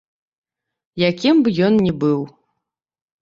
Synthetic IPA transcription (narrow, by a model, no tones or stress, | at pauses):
jakʲimbɨjɔnnʲɛbɨw